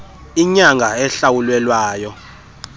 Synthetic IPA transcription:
iɲaŋɡʱaɛɬawulwɛlwaːjɔ

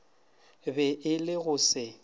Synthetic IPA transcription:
bɛʔɪlɪɣʊsɪ

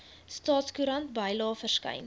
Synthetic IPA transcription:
stɑːtskuɾɐntbɐjlɑːfərskɐ̰jn

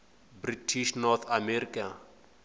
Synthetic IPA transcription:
britʰiʃnɔrt̪ʰamɛɾikʼa

